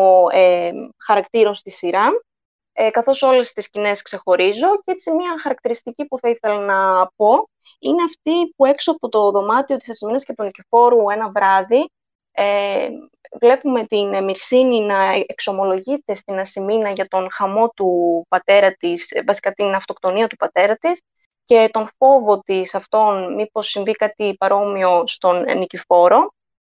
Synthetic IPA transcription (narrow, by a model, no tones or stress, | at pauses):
oexɐɾɐkt̪iɾo̞nst̪isiɾɐ | ekɐθo̞so̞le̞st̪iscine̞skse̞xo̞ɾizo̞cet͡simiɐxɐɾɐk̚t̪iɾist̪icipuθɐiθe̞lɐnɐpo̞ | ineɐft̪ipue̞ksoɐpo̞t̪o̞ðo̞mɐt̪io̞t̪i̥sɐsiminɐscet̪unicifo̞ɾue̞nɐvɾɐði | e | vle̞pume̞t̪inmiɾsininɐeekso̞mo̞lo̞ʝit̪e̞st̪inɐsiminɐʝɐt̪o̞nxɐmo̞t̪upɐt̪e̞ɾɐt̪isvɐsi̥kɐt̪inɐft̪o̞kt̪o̞niɐt̪upɐt̪e̞ɾɐt̪is | ce̞t̪o̞nfo̞vo̞t̪isɐft̪o̞nmipo̞sːinvikɐt̪ipɐɾo̞mio̞st̪o̞nnicifo̞ɾo̞